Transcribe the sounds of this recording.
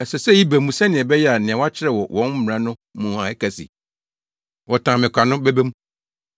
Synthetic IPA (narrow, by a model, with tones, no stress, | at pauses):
ɛ˨sɛ˨sɛ˦˨ji˦be˨mũ˦sɛ˦nɪ̃˨ɛ̃˨bɛ˦jɛ˦a˨nɪ̃˨ã˨wɔ˦a˦t͡ɕʰɪ˦ɾɛ˦˨wɔ˨wʔɔ̃˦n̩˦m˨ɾã˦nʊ̃˦mũ˨ã˨ɛ˦kʰæ˨sḭ˨ | wɔ˨tʰãː˨mɪ̃˨kʰʷa˨nʊ̃˦bɛ˦be˦mũ˦